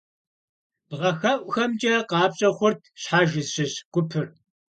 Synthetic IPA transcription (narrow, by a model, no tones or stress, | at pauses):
b̥ʁɐxɐʔʷʼxɐmt͡ʃʼɐqɑːpɕʼɐχʷʊrtʰɕħaːʒɪzɕɪɕɡ̥ʷʊpʰɨr